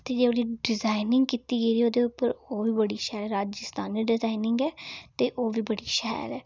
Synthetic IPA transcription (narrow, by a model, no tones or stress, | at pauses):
t̪eːd͡ʒeoːdiːɖɪzaːɪnɪŋɡkiːt̪iːɡeːɾiːoːd̪eːʊpəɾoːʋiːbəɽiːʃɛːlɛːɾaːd͡ʒɪst̪aːniːɖɪzaːinɪŋɡɛːt̪eːʔoːʋiːbəɽiːʃɛ̰ːlɛː